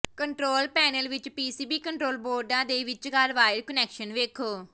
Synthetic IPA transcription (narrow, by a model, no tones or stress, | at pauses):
kəɳʈɾoːlpɛːnəlʋɪt͡ʃpiːsiːbiːkəɳʈɾoːlboːɾɖãːd̪eːʋɪt͡ʃɡaɾʋaːɪɾkənɛːkʃənʋeːkʰoː